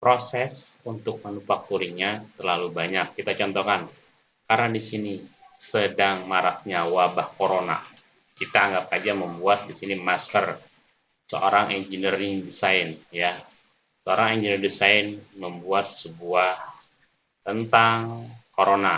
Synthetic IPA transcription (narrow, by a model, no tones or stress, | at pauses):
pɾosɛsunt̪ʊk̚manufak̚t̪uɾiɲat̪ərlalubaɲakːit̪at͡ʃɔnt̪okan | kaɾnadisinisədaŋmaɾah̚ɲawabahkoɾona̰ | kit̪aːŋɡap̚ad͡ʒaməmbuat̪̚disinimaskər | səʔo̰ɾaŋʔɛnd͡ʒiniriŋdisaɪnja | səoɾaŋɛɲd͡ʒinirdisaɪnməmbuat̪̚səbuah | t̪ənt̪aŋkoɾona